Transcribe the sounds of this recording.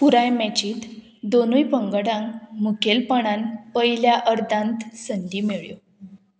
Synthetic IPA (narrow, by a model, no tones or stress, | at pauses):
puɾajmɛt͡ɕiːt̪ | d̪onujpəŋɡəɽãŋmukelpəɳanpəjljaʔəɾd̪ãnt̪sənd̪iːmeɭjo̰